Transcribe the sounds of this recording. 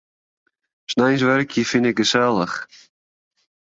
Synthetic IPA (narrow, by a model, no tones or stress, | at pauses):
snɛjnsʋɛrkʰjəfɪnɪkɡəsɛlˠə̰χ